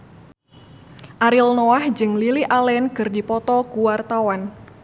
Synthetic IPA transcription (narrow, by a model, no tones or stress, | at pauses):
ʔaɾilnɔahd͡ʒɨŋliliʔalɛnkɨrdipɔt̪ɔkuwart̪awan